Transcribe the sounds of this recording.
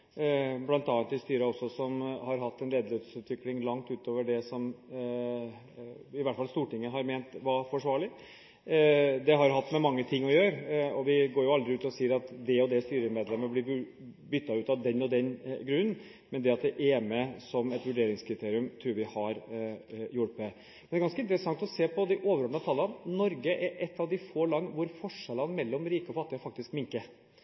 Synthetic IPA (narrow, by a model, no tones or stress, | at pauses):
blɑnt̪ɑːɑnɪst̪yːɾəɔsːɔsɔmhɑɾɦɑt̪ːɛnleːd̪əløːt̪sʉːt̪ʋɪklɪŋlɑŋt̪ʉːt̪oːʋəɖɛsɔm | ɪʋæʈːfɑlst̪uːʈɪŋːəɦɑɾmeːnt̪ʋɑfɔʂʋɑːɭɪ | d̪ɛɦɑɾɦɑt̪ːmɛmɑŋːət̪ʰɪŋːɔjøːɾəɔʋɪɡoːɾjʊɑld̪ɾɪʉːt̪ɔsiːəɾɑt̪d̪ɛɔd̪ɛst̪yːɾəmeːd̪lɛmːəblɪʉ | bʏt̪ːɑʉːt̪ɑd̪ɛnːɔd̪ɛnɡɾʉnːn | mɛnd̪ɛɑt̪̚d̪ɛʔeːməsɔmɛt̪ʋʉɖeːɾɪŋskʰɾɪt̪ʰeːɾɪʉmt̪ʰɾuːɾʋɪhɑɾ | jʊɽmɛ | mɛnæɾɡɑnskəɪnt̪əɾəsɑŋt̪ɔseːpɔd̪ɪʔoːʋəɾɔmnət̪ʰɑlənnɔɾɡəʔɛɾʔɛt̪ːɑʋd̪ɪfoːlɑnːʋʊɾfɔʂɛlənmɛlːɔmɾiːkəɔfɑt̪ːɪɔfɑk̚t̪ɪskmɪŋkə